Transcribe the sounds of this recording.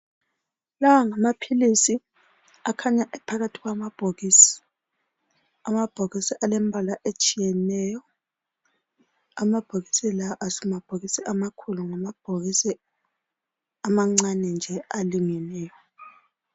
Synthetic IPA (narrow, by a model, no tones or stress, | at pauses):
lawaŋamapʰilisi | akʰaɲaʔɛpʰaɣatʰiɣwamab̥ʱoɣiːsi̥ | amab̥ʱoɣisiʔalɛmbʱalaʔet͡ʃʼijɛnɛjɔ | amab̥ʱoɣisilaʔasɛmab̥ʱoɣisiʔamakʰuluŋamab̥ʱoɣisi | amaŋ͡ǀanɛnd͡ʒʱɛaliŋɛnɛːjɔ